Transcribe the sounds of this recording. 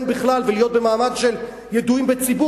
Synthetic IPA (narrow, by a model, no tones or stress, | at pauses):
nbiχlalvelijo̞t̪̚bemaːmadʃe̞l | jed̪uimbet͡sibu